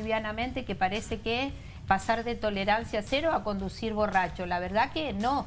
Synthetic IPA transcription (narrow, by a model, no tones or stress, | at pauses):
βjanamẽnt̪ekepaɾeseke | pasaɾðet̪o̞leɾansjaseɾoako̞nd̪usiɾβo̞rat͡ʃolaβ̞eɾðakenõ